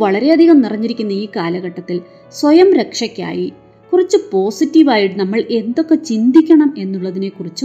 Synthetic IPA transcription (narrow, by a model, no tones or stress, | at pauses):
ɐɭɐɾe̞ɐd̪ʱiɣɐmnirɐɲːiɾikʲːunːɐiːkaːlɐɣɐʈːɐt̪ːil | swɐjɐmɾe̞kʂɐkʲːa̰ːji | kurit͡ɕːɨpo̞ːsitːiʋaːjiʈːɨnɐmːɐɭe̞nd̪o̞kːe̞t͡ɕind̪ikʲːɐɳɐme̞nːuɭːɐðine̞kurit͡ɕːɨ